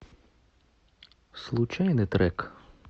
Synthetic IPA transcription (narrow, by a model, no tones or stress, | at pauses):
slˠut͡ʃajnɪt̪ɾɛk